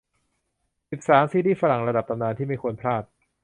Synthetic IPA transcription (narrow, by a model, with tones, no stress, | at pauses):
si˨˩p̚saː˩˦msiː˧˥diː˥˩fa˧ɾa˨˩ŋɾa˧da˨˩p̚t̪a˧mnaː˧nt̪ʰiː˥˩ma˥˩jkʰu˧ənpʰɾaː˥˩t̪̚